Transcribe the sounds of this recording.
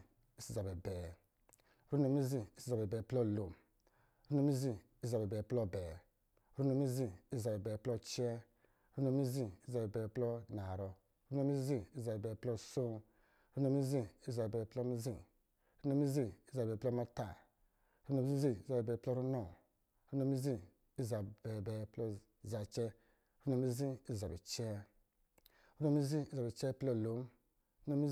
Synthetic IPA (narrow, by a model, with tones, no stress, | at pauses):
i˦si˨za˨bɛ˨bɛ˨ | ɾu˦no˨˧mi˦zi˦i˦si˨a˨bɛ˨bɛ˨plɔ˦˨lo˨m | ɾu˦no˧˦mi˦zi˦ | i˦za˨bɛ˨bɛ˨plɔ˦˨bɛ˨˦ | ɾu˦no˨˧mi˦zi˦˨i˦˨za˨bɛ˨bɛ˨plɔ˦t͡ʃɛ˦ | ɾu˦no˧˦mi˦zi˦si˦za˨bɛ˨bɛ˨plɔ˦na˨ɾɔ˧ | ɾu˦no˦mi˦zi˦i˦sza˨bɛ˨bɛ˨plɔ˦so˦ | ɾu˦no˧˨mi˦zi˦i˦za˨bɛ˨plɔ˧mi˦zi˦˨˦ | ɾu˦no˧˦mi˦zi˦i˦za˨bɛ˨plɔ˦ma˧ta˨˦ | ɾu˦no˧m˦zi˦zi˦i˦za˨bɛ˨bɛ˧˨plɔ˦ɾu˦nɔ˨ | ɾu˦no˧˦mi˦zi˦ | i˦za˨bɛ˨bɛ˨plɔ˧ | za˨t͡ʃɛ˦ | ɾu˦no˧˨mi˦zi˦i˦˨za˨bi˨t͡ʃɛ˦ | ɾu˦no˧˦mi˦zi˦i˦za˨bi˨t͡ʃɛ˦plɔ˧˨lo˨˦m | ɾu˦no˧mi˦